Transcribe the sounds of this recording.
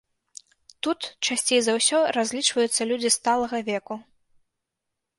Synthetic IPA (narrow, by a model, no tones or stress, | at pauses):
t̪ut̪t͡ʂasʲt͡sʲejzɐwsʲɔɾazʲlʲit͡ʂvɐjut̪sːɐlʲud͡zʲist̪alˠɐɣɐvʲɛku